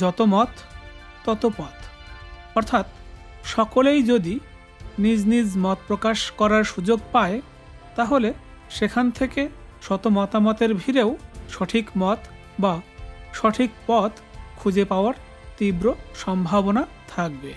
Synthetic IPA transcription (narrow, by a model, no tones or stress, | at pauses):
d͡ʑɔt̪omɔt̪ː | ɔt̪opɔt̪ | ɔɾt̪ʰat̪ | ʃɔkolejd͡ʑod̪i | nid͡ʑnid͡ʑmɔt̪̚pɾokaʃkɔɾaɾʃud͡ʑoɡpae | t̪aɦole | ʃekʰant̪ʰekeʃɔt̪omɔt̪amɔt̪eɾbʱiɾewʃɔʈʰikmɔt̪ | baʃɔʈʰik̚pɔt̪kʰud͡ʑepaoaɾ | t̪ibɾoʃɔmbʱabonat̪ʰak̚be